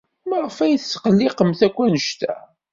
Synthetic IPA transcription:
məʁəfæjθsqəlːɪqəmθækʷːænəʃt̪æ̰

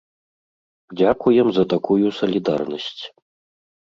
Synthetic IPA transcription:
d͡zʲakujɛmzɐt̪akujusɐlʲid̪a̰rnɐsʲt͡sʲ

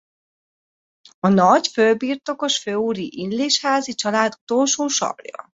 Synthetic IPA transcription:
ɒnɒɟfølbiːrt̪o̞ko̞ʃføːuːɾiʔinleːʃhaːzit͡ʃɒlaːd̪u̥t̪o̞lʃuːʃɒ̰brjɒ̰

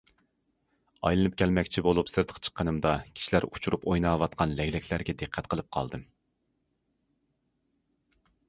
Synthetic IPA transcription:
ɑ̰jlˠɨnɨpkʲʰɛlmɛkʲt͡ʃʰibolˠupsɨɾt̪ʰə̥qʰt͡ʃʰə̥qʰːənɨmd̪ɑkʲʰi̥ʃilæɾut͡ʃʰuɾupojnɑːwɑt̪̚qʰɑnlɛɡʲlɛkʲʰlæɾɡʲɛd̪ɨqʰːɛt̪̚qʰəlˠɨp̚qʰɑ̰lˠd̪ɨm

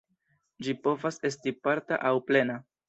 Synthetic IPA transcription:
d͡ʒipo̞vase̞stipaɾta̰ʔawple̞na

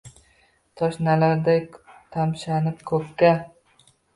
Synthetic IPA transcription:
t̪ʰɒʃnalaɾd̪at̪ʰamʃanɪp̚kʰɵpkʲːa

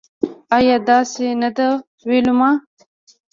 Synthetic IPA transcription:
ɑjɑːd̪ɑːsenad̪a | welumɑː

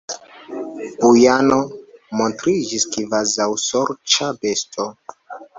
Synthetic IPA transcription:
b̥ujano̞montɾid͡ʒiskivazawsoɾt͡ʃabe̞stʰo

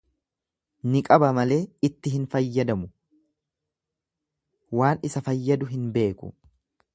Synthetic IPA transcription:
nɪkʼɐbɐmɐle̞ːɪt̪ːɪɦɪnfɐjːɐd̪ɐmʊ | waːnɪsɐfɐjːɐd̪ʊɦɪnbe̞ːkʊ̰

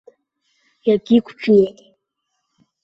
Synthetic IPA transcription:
jaɡʲikʷʰt͡ʃʰjejtʼ

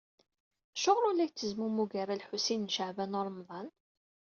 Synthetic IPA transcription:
ʃoʁɾˤʊlːæçt͡sːəzmumuɡæɾalħusinnʃəʕvænoɾˤmðˤɑn

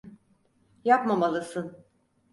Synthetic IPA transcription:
japmamalˠɯsɯn

